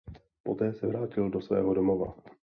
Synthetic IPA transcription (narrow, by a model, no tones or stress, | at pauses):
po̞t̪ɛːsɛvɾaːcɪldo̞svɛ̰ːɦodomova̰